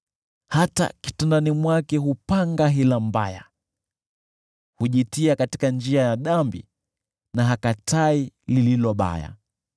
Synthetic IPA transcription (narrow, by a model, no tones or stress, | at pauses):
hata̰ki̥tɛndanimwakɛɦupaŋɡaɦilambaja̰ | huʄitiakati̥kand͡ʒiajaɗambḭ | naɦakatailililɔɓa̰ja̰